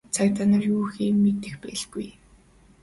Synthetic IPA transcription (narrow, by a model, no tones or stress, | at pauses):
t͡sʰakʲt̪aːnə̆rjuːxiːmet̪ɘ̆xpæɮɡuj